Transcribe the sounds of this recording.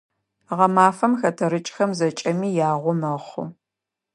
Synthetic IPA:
ʁɐmaːfɐmxɐtʰɐɾɨt͡ʃʼxɐmzɐt͡ʃʼɐmiːjaːʁʷɔmɐχʷʊ̰

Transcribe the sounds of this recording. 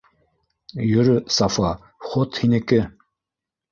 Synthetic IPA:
jɵɾɵsɑfɑ | χot̪hinɘ̆kɘ

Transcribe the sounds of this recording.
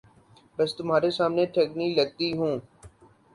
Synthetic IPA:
bəst̪ʊmɦaːɾesaːmneʈʰekniləɡ̚t̪iɦũː

